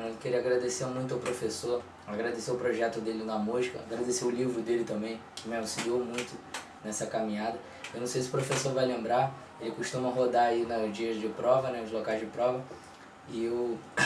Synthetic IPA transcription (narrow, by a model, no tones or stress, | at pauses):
nɐ̃keɾiɐaɡɾad̪eseɾmũj̃t̪ʊawpɾofesoɾ | aɡɾad̪eseɾʊpɾoʒɛt̪ʊd̪elɪnɐmuzikɐ̰a̰ɡɾad̪eseʊlivɾʊd̪elɪt̪ɐ̃mbẽj̃kɪmɪalusilowmũj̃t̪ʊ | nɛsɐkamĩɲad̪ɐ | ewnɐ̃w̃sejsɪʊpɾofesoɾvajlẽmbɾa | elɪkuʃt̪ũmɐɦod̪aɾainɐzd͡ʒiɐzd͡ʒɪpɾɔvɐnɛʊzlokajzd͡ʒɪpɾɔvɐ | ɪew